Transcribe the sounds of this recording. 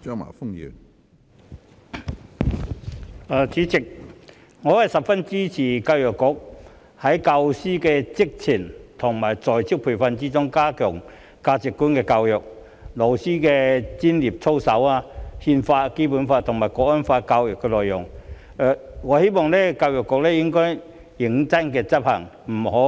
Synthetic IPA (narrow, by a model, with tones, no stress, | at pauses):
t͡ʃœː˥ŋma̰ː˨˩fʊ˥ŋjḭː˨˩ | aː˨˩t͡sʰiː˨˥t͡sɪ˨k̚ | ŋɔː˨˧hɐ˨jsɐ˨p̚fɐ˥nt͡siː˥t͡sʰiː˨˩kaː˧wjɔː˨˩kːʊ˨˥k̚ | hɐ˨˥jka˧wsiː˥kɛː˧t͡sɪ˥k̚t͡sʰi˨˩nt̪ʰʊ˨˩ŋmaː˨˩jt͡sɔː˨jt͡sʰɪ˥k̚pʰu˨˩fɐ˧nt͡siː˥t͡sʊ˥ŋkaː˥kʰœː˨˩ŋ | kaː˧t͡sɪ˨kːuː˥nkɛː˧kaː˧wjʊ˨k̚ | lo˨˩wsiː˥kɛː˧t͡siː˥nliː˨˩p̚t͡sʰo˥wsɐ˨˥waː˧hiː˧nfaː˧ke˥puː˨˥nfaː˧t̪ʰʊ˨˩ŋmaː˨˩jkɔː˧˥kɔ˥nfaː˧kaː˧wjɔ˨˩kːɛ˧lɔː˨jʊ˨˩ŋ | ɛ˧ŋɔ˨˧he˥jmɔː˨ŋlɛ˥kaː˧wjɔ˨˩kːɔ˨˧k̚lɛː˥jɪ˥ŋkɔː˥j | jɪ˨˥ŋt͡sɐ˥nkɛː˧t͡sɐ˥p̚hɐ˨˩ŋ | m̩˨˩ho˨˥